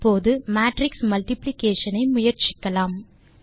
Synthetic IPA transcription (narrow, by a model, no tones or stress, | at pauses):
poːðɯmaːʈɾɪksmɐlʈɪplɪkeːʂɐnɐɪmʊjɐɾt͡ʃɪkːɐlaːm